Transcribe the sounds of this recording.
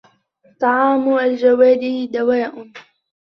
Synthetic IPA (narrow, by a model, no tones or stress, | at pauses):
t̪ˤɑʕɑːmʊald͡ʒawaːliːd̪awaːʔʊn